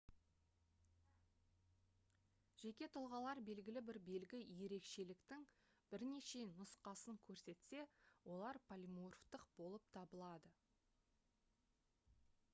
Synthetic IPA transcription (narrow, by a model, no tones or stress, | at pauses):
ʒ̥e̞kʲe̞t̪ʰʊlˠʁɑlˠɑɾbe̞lɡʲɪlɪbɪɾbe̞lɡʲɪje̞ɾe̞kʃe̞lɪkt̪ɪŋ | b̥ɪɾne̞ʃe̞nʊsqɑsəŋkʲʰɵɾse̞t̪se̞wʔo̞lˠɑɾpʰalʲimorft̪əq̚b̥o̞lˠəp̚t̪ʰɑbəlˠɑd̪ə